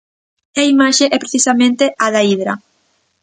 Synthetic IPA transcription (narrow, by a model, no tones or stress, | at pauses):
aimaʃeʔɛpɾeθisamẽnt̪eʔaðaiðɾɐ